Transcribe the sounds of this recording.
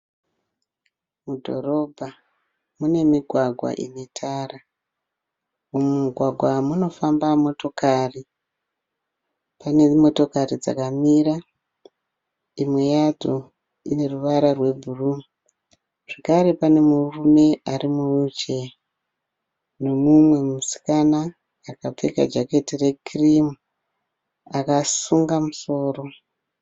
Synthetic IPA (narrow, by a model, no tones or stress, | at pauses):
mudʱo̞̰ro̞bʱa | mune̞miɡʱwaɡʱwa̰ʔḭnetʰara | umuuɡʱwaɡʱwamuno̞fambamo̞to̞kari | pane̞mo̞to̞karid͡za̰kamiɾa | imwejad͡zo | ine̞ruʋaɾarwe̞bʱurum | ʐ̥akaɾe̞pane̞murume̞arimuut͡ʃe̞ | no̞mumwe̞musi̥kanaː | kap͡fe̞ka̰d͡ʒake̞tire̞kirimu | akasuŋɡamuso̞ːro̞